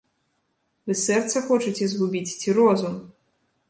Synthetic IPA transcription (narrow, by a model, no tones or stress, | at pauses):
vɨsɛrt̪sɐxɔt͡ʂɐt͡sʲɛzɣubʲit͡sʲt͡sʲiɾɔzum